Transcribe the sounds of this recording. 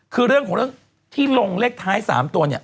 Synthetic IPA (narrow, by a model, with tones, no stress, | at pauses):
kʰɯː˧ɾɯ˥˩əŋkʰɔ˩˦ɾɯ˥˩əŋ | t̪ʰiː˥˩lo˧ŋleː˥˩k̚t̪ʰaː˦˥jsa̰ː˩˦mt̪u˧ɐni˥˩